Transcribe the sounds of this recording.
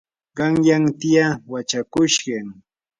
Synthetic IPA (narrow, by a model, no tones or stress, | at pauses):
ɢɑŋjaŋt̪ɪjawat͡ʃakʊʃɢɑŋ